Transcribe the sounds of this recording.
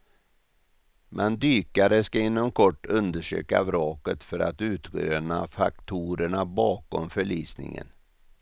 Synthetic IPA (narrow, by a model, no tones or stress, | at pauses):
mʔɛnd̪yːkaɾəskaɪnːɔmkʰɔʈːɵnd̪əʂø̰ːkavɾɑːkət̪fœɾat̪ʉ̟ːt̪ɾøːnafakt̪ʰuːɾəɳabɑːkɔmfœɭiːsnɪ̰ŋə̰n